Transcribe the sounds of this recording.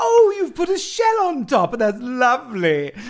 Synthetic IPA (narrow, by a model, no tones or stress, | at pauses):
oʊjɨv̥pʊɾɨʃɛlˠə̃ntʰɑpə̃nðætslʌvli